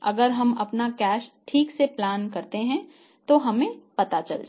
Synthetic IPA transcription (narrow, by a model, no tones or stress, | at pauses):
ɐ̰ɡəɾɦɐmɐpnakɛːʃʈʰiːkseplaːnkɐɾt̪eɦɛ̃ | t̪oɦɐmẽpɐt̪at͡ʃɐld͡ʒa̰